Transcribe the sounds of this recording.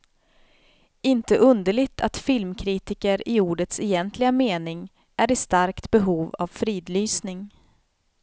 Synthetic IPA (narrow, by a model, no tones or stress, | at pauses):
ɪnt̪əʔɵnd̪əɭɪɡt̪ʰat̪fɪlmkʰɾiːt̪ɪkəɾɪuːɖət̪sɛjɛnt̪ʰlɪɡameːnɪŋ | ʔæɾɪst̪aɾkt̪bɛɦuːva̰vfɾiːd̪lyːsnɪŋ